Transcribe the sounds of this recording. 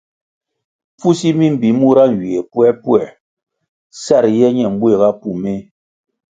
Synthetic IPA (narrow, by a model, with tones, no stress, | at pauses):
pu˦si˦mi˦m̩˨bi˨˦mu˦ɾa˦n̩˨wi˨e˨pu˦ɛ˦pu˦ɛ˨ | sa˦˨ɾjɛ˦ɲɛ˨m˦bwe˦˨ɣa˦pu˦˨me˦